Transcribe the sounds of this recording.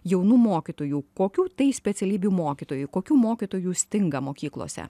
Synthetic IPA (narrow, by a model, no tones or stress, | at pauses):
jɛʊnuːmoːkʲit̪oːjuːkoːkʲuːt̪ɐɪsʲpʲɛt̪sʲɛlʲiːbʲjuːmoːkʲit̪oːjukoːkʲuːmoːkʲit̪oːjuːsʲt̪ʲɪŋɡɐmoːkʲiːklˠo̰ːsʲɛ̰